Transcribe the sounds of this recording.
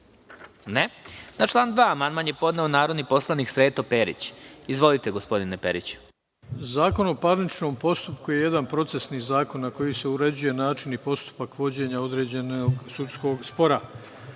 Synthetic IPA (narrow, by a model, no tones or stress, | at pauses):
nenat͡ʃlˠaːnd̪ʋaːmanmanje̞po̞d̪neonaːɾo̞d̪nipo̞slˠaniksɾeːt̪opeɾḭt͡ɕizʋo̞lit̪e̞ɡo̞spo̞d̪inepḛɾḭt͡ɕu̥ | zaːko̞no̞paɾnit͡ʃno̞mpo̞st̪upkujeje̞d̪anpɾo̞t̪sesniːzaːko̞nːako̞jise̞uɾe̞d͡ʑuje̞naːt͡ʃinipo̞st̪u̥pakʋo̞d͡ʑe̞ɲao̞d̪ɾe̞ːd͡ʑe̞noɡsut̪sko̞ːɡspo̞ɾa